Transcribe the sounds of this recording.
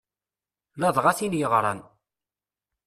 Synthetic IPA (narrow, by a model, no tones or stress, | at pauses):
lɑðˤʁasinjəʁɾˤɑ̰n